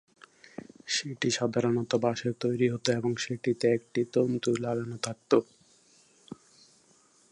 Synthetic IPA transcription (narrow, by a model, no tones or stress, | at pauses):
ʃeʈiʃad̪ʱaɾonot̪obaʃeɾt̪ojɾiɦot̪oeboŋʃeʈit̪eek̚ʈit̪ont̪uɾlaɡanot̪ʰak̚t̪o